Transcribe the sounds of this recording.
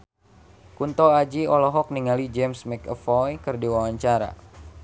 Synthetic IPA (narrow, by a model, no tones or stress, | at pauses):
kunt̪ɔad͡ʒiɔlɔɦɔk̚niŋalid͡ʒɛmsmɛkəfɔjkɨrdiwawaɲt͡ʃaɾa̰